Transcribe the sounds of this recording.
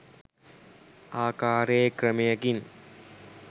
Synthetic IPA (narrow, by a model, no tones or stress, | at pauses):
aːkaːɾejkrəmejəkin